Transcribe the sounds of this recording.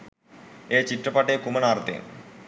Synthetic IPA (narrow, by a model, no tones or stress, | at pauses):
et͡ɕiʈːɾɐpaʈekumɐnaɾt̪ḛ